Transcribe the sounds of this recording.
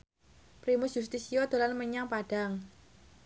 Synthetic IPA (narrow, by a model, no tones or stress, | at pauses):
pɾimʊsjust̪isijɔd̪̥o̤lanməɲaŋpaɖ̥aŋ